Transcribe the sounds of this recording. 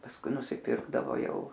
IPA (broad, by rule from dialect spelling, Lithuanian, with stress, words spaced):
pɐsˈkʊɪ nʊsʲɪˈpʲɪrɡdɐʋoː ˈjɛʊ